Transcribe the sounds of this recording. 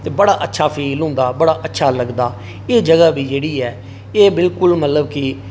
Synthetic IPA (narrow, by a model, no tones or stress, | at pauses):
t̪eːbəɽaːʔətːʃʰaːpʰiːlɦʊ̃ːnd̪aːbəɽaːʔətːʃʰaːləɡd̪aː | eːd͡ʒəɡaːʋiːd͡ʒeːɽiːɛː | eːbɪlkʊlmət̪ləbkɪ